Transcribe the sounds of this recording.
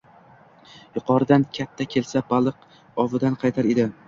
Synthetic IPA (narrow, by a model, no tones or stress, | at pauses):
jʊqʰɒɾɪd̪ankʲʰat̪ʰːakʲʰe̞lsabalˠɨq | ɒvɪd̪anqʰɑjt̪ʰaɾe̞d̪ɪ